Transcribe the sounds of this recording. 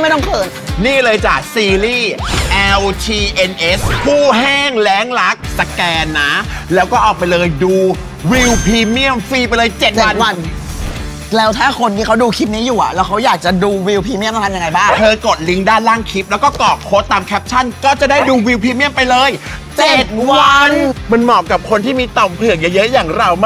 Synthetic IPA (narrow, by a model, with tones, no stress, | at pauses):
ma˥˩jt̪ɔ˥˩ŋpʰɤː˨˩t̪̚niː˥˩lɤː˧jt͡ɕaː˨˩k̚siː˧liː˥˩ʔɛ˧wt̪ʰiː˧ʔe˧nʔe˦˥spʰuː˥˩ɦɛː˥˩ŋlɛː˦˥ŋla˦˥k̚sa˧kɛː˧nːa˦˥lɛː˦˥wkɔː˥˩ʔɔː˨˩k̚pa˧jlɤː˧jduː˧ | wi˧wpʰiː˧mi˥˩əmfiː˧pa˧jlɤː˧jt͡ɕe˨˩t̪̚aː˨˧˩nwa˧n | lɛː˦˥wt̪ʰaː˥˩kʰo˧nt̪ʰiː˥˩kʰa˦˥wduː˧kʰi˦˥p̪̚niː˦˥juː˨˩ʔa̰˨˩lɛː˦˥wkʰa˦˥wjaː˨˩k̚t͡ɕa˨˩duː˧wi˧wpʰiː˧mi˥˩m˧t̪ʰa˧ja˧ŋa˧jbaː˥˩ŋt̪ʰɤː˧ko˨˩t̪̚li˦˥ŋdaː˥˩nlaː˥˩ŋkʰi˦˥p̚lɛː˦˥wkɔː˥˩kɔː˨˩p̚ʰoː˦˥t̪ːaː˧mkʰɛ˦˥p̚t͡ɕʰa˥˩nkɔː˥˩t͡ɕa˨˩daː˥˩jduː˧wi˧wpʰiː˧mi˥əmpa˧jlɤː˧jt͡ɕe˨˩˨t̪̚waa˧nma˧nmɔː˨˩kːa˨˩p̚kʰo˧nt̪ʰiː˥˩miː˧t̪ɔ˨˩mpʰɯ˨˩əŋja˦˧˩jɤ˦˥ʔjaː˨˩ŋɾa˧wm˥